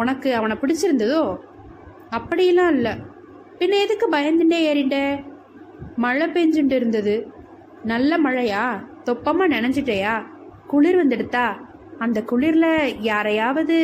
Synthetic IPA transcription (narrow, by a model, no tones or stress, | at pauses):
ʊnɐkːɯɐʋɐnɐpɪɽɪt͡ʃːɪɾɯnd̪ɐðoː | ɐpːɐɽɪjɐlːãːɪlːɐ | pɪnːɐɛðɯkːɯbɐjɐnd̪ɪɳɖeːeːɾɪɳɖe | mɐɻɐpeɲd͡ʒɯɳɖɪɾɯnd̪ɐðɯ | nɐlːɐmɐɻɐjaːt̪ɔpːɐmaːnɛnɛɲd͡ʒɪʈːejaːkʊɭɪɾʋɐnd̪ɪɽɯt̪ːaː | ɐnd̪ɐkʊɭɪɾɪlɐjaːɾɐjaːʋɐðɯ